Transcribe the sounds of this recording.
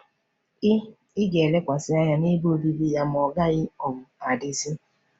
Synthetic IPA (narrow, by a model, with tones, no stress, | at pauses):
ɪ˦ | ɪ˦ɡe˨le˦kʷa˨sɪ˦a˦ɲa˦ne˦bo˦o˦˨bi˦bi˦ja˦m˨ɔ˨ɡa˦ɣɪ˦ɔ˨bʊ˨a˨dɪ˨˦si˦